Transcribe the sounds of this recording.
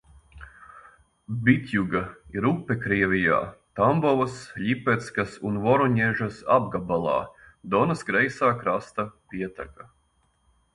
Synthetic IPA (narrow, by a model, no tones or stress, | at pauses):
bit̪ʲjuɡɐiɾupːekɾiɛvʲija̰ːt̪ambɔvsʎʲipɛt̪skasunvɔɾuɲɛʒɐsa̰bɡabalˠɑ̰ːd̪ɔnɐsɡɾɛjsaːkɾast̪ɐpʲiɛt̪a̰ka